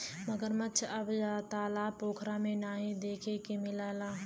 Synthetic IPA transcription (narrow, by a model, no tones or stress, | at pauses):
məɡəɾmɐt͡ʃʰɐbd͡ʒaːt̪aːlapoːkʰɾamẽnaːɦĩd̪eːkʰekemɪlaːlaːɦ